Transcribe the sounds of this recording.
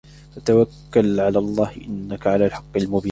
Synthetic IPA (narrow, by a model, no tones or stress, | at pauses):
ʔat̪awakːalʕalaːlˤːɑːhɪʔɪnːakʕalaːlħɑqːɪlmʊbiː